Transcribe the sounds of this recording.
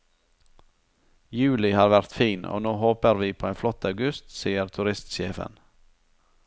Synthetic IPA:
jʉːlɪhɑːɾʋæɾʁt̪fiːnʔo̰ːnoːhoːpəɾʋiːpʰoːeːnflɔt̪ɑʉɡʉst̪siːəɾt̪ʰʉɾɪst̪ʃeːfə̰n

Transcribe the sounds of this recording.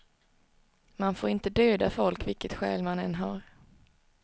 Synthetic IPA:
manfoːɾɪnt̪əd̪øːd̪afɔlkvɪlkət̪ɧɛ̰ːlmanɛnːɦaɾ

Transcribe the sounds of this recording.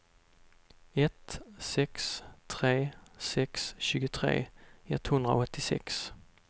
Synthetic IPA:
ɛt̪sɛkst̪ʰɾeːsɛksɕʉ̟ːɡʊt̪ʰɾḛːɛt̪ːhɵnd̪ɾa̰ɔt̪ːɪsɛ̰ks

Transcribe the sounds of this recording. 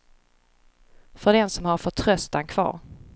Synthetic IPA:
fœɖɛnsɔmhaɾfœʈʰɾœst̪ankʰvɑ̰ːɾ

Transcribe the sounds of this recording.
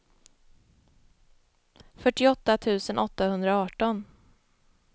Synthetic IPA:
fœʈːɪɔt̪ːat̪ʰʉ̟ːsənʔɔt̪ːahɵnd̪ɾaɑːʈɔn

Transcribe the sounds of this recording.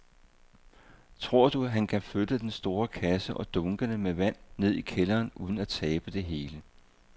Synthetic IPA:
t͡sʰʁo̝ɐ̰d̥uæɦænkʰæfød̥əd̥ensd̥o̝ːɐkʰæsəʔɒ̽d̥ɔ̽ŋɡ̥ənəmeʋæn̰ne̝ð̰ˠikʰelɐːnʔuːð̞ˠn̩æt͡sʰɛːb̥əd̥e̝ɦe̝ːlə

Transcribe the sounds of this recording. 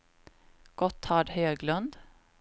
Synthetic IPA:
ɡ̥ɔt̪ʰːhɑːɖhøːɡlɵnd̪

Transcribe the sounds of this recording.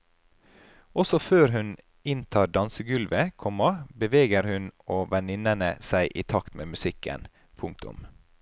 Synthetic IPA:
ɔsɔføːɾɦʉn | ɪnt̪ʰɑːɖɑnsəɡʉlʋəkʰɔmɑbəʋeːɡəɾhʉnoːʋɛnɪnənə̰sæɪʔiːt̪ʰɑkt̪mḛːmʉsɪkə̰n | pʰʊŋk̚t̪ʰʊ̰m

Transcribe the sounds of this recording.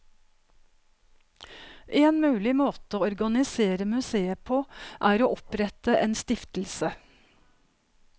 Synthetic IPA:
ʔeːnmʉːlɪmoːt̪əoːɔɾɡɑnɪseːɾəmʉseːəpʰoːʔæːɾoːʔɔpɾɛt̪əʔeːnst̪ɪft̪l̩sə

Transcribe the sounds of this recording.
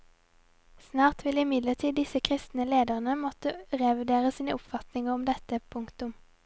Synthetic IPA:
snɑːʁt̪ʰʋɪlɪmɪd̪ləʁt̪ʰiːd̪ɪsəkʰʁɪst̪nəleːd̪əʁnəmɔt̪əʁɛʋɪd̪eːʁəsiːnəʔʊpfɑt̪nɪŋəʁɔmd̪ɛt̪əpʰʊŋkt̪ʊm

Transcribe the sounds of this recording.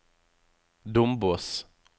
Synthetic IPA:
d̪ʊmbʊs

